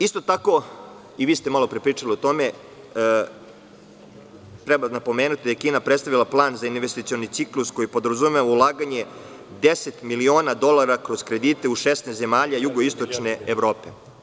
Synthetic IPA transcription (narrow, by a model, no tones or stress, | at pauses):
ist̪o̞t̪ako̞ | iʋiːst̪emalo̞pɾepɾiːt͡ʂaliot̪o̞me̞ | t̪ɾebanapo̞meːnut̪id̪ajekiːnapɾet̪st̪aʋilˠaplˠaːnzainʋest̪it̪sio̞nit̪iklˠusko̞jipo̞d̪ɾazumeʋaulˠaːɡaɲe̞ | d̪ese̞t̪milio̞ːnad̪o̞lˠaɾakɾo̞zkɾe̞d̪iːt̪e̞uʃesnesze̞maːʎajuɡo̞ist̪o̞t͡ʃne̞eʋɾo̞ːpe